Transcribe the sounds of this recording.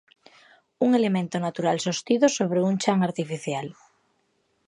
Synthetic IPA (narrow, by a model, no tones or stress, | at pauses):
uŋelemẽnt̪onat̪uɾalsost̪iðosoβ̞ɾeuŋt͡ʃaŋaɾt̪ifiθjal